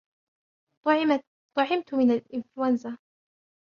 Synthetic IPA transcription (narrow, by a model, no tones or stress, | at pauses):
t̪ˤɑʕɪmt̪mɪnalʔɪnfluanza